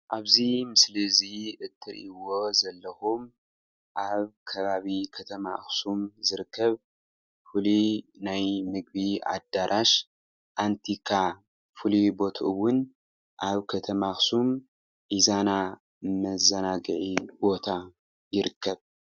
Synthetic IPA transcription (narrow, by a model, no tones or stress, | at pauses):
ʔaβzimɨsliziʔɨt̪ʰːɨɾʔiwo̞zɐlːɐxum | ʔaβkʰɐβaβikʰɐt̪ʰɐma̰xsumzɨɾɨkːɐβ | fulinajmɨɡ̚bia̰d̪ːaɾʔaʃ | ʔant̪ʰikʰa | fulibo̞t̪ʰɨwːʊn | ʔaβkʰɐt̪ʰɐmaxsum | ʔizana | mɐzɐnaɡɨʕibo̞t̪ʰa | jɪɾɨkːɐβ